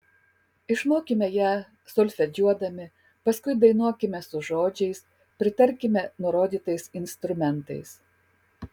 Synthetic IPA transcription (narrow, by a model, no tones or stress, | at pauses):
ɪʃmoːkʲɪmʲɛjæː | sɔlʲfʲɛd͡ʒʲuɔd̪ɐmʲɪ | pɐskʊɪd̪ɐɪnuɔkʲɪmʲɛsʊʒoːd͡ʒʲɛɪs | pʲɾʲɪt̪ɐɾʲkʲɪmʲɛnʊɾoːd̪ʲiːt̪ɐɪsɪnst̪ɾʊmʲɛnt̪ɐ̰ɪs